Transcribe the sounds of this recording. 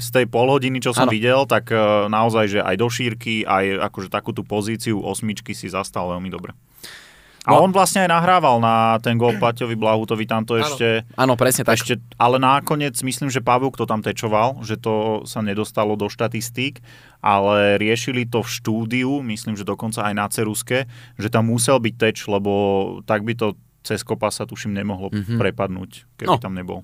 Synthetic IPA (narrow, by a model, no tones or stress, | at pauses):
st̪ɛjpɔlɦɔɟinit͡ʃɔsɔmʋiɟɛlt̪aɡnaɔzajʒɛʔa̰jd̪ɔʃiːɾkiʔaja̰kɔʒɛt̪akuːt̪upɔziːt͡siuʔɔsmit͡ʃkisizast̪alʋɛlmid̪ɔbɾɛ | ʔaɔnʋlasɲɛajnaɦɾaːʋalnat̪ɛnɡɔlplacɔʋiblaɦuːt̪ɔʋit̪amt̪ɔɛʃcɛanɔpɾɛsɲɛɛʃcɛʔalɛnakɔɲɪɛd͡zmisliːmʒɛpabukt̪ɔt̪amt̪ɛt͡ʃɔʋalʒɛt̪ɔsaɲɛd̪ɔst̪alɔd̪ɔʃt̪at̪ist̪iːk | ʔalɛɾɪɛʃilit̪ɔfʃt̪uːd̪iumislimʒɛd̪ɔkɔnt͡saajnat͡sɛɾuskɛʒɛt̪amːusɛlbic̚t̪ɛt͡ʃlɛbɔt̪aɡ̚bit̪ɔ | t͡sɛskɔpasat̪uʃimɲɛmɔɦlɔppɾɛpad̪nṵːckɛbit̪amɲɛbɔ̰l